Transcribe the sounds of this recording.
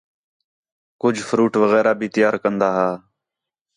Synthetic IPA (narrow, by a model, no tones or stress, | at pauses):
kʊd͡ʒʱfʰʊɾuːʈʋəɣɛːɾaːbʱiːt̪ɪjaːɾkənd̪aːɦaː